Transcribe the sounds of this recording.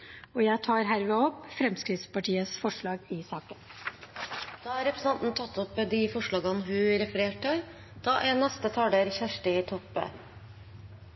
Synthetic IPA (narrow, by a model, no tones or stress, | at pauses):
ɔːjæɪt̪ʰɑːɾɦæːɾʋɛːɔpːfɾɛmskɾɪt̪spɑʈiːəsfɔʂɭɑːɡɪsɑːkən | d̪̥ɑːɑɾɛpɾəsn̩ɑnt̪n̩t̪ʰɑt̪ːɔpd̪ɪfɔʂɭɑːɡənɦʉɾɛfəɾeːʈə | d̪̥ɑːʔɛnːɛst̪ət̪ʰɑːɖ̪əɾçæʂʈəɪt̪ʰɔpːə̰